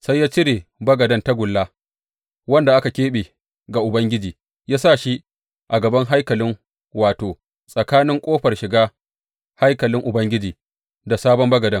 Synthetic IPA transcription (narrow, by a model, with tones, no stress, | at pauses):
sa˦jːaː˦t͡ʃɪ˦ɽeː˨bɐ˦ɡɐ˨dɐ˦nta˦ɡʷʊ˨lːaː˦ | wɐ˦nda˨ʔa˦ka˨kʲeː˦ɓeː˨ | ɡa˨ʔʊ˨bɐ˦ŋɡʲɪ˦d͡ʒiː˨ | jaː˦sa˦˨ʃi˦ | ʔa˨ɡɐ˨bɐ˦ŋɦa˦jkɐ˨lɪ˦ŋ | waː˨toː˨ | sʼɐ˨kaː˦nɪ˦ŋkʷʼoː˦ɸɐ˨rʃɪ˨ɡaː˦ | ha˦jkɐ˨lɪ˦ŋʔʊ˨bɐ˦ŋɡʲɪ˦d͡ʒiː˨ | da˨saː˦bɔ˦mbɐ˦ɡɐ˨dɐ˦ŋ